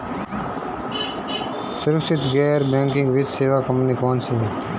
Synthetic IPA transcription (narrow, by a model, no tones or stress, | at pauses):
sʊɾksɪt̪ɡɛːɾbɛ̃ːŋkɪ̃ŋɡʋɪt͡ʃseːʋaːkəmniːkoːnseː